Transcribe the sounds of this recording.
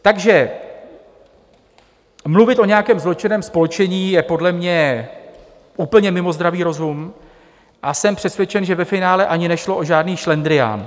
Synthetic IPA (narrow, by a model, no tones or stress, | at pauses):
t̪aɡʒɛ | mluvɪt̪ʔo̞ɲɛjakɛːmzlo̞t͡ʃɪnɛːmspo̞lɛt͡ʃɛɲiːjɛpo̞dlɛmɲɛ | ʔuːpl̩ɲɛmɪmo̞zd̪ɾaviːɾo̞zum | ʔasɛmpr̝̥ɛsvjɛt͡ʃɛnʒɛvɛfɪnaːlɛʔaɲɪnɛʃlo̞ʔo̞ʒaːdniːʃlɛnd̪ɾɪja̰ːn